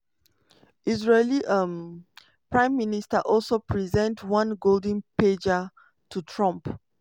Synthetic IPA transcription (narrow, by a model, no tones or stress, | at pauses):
izɹeliʔəm | pɹãɪ̃mːinistaʔɔlsopʰɹizɛ̃ntwãnɡoldə̃nped͡ʒa | tʰutʰɹɔ̃mp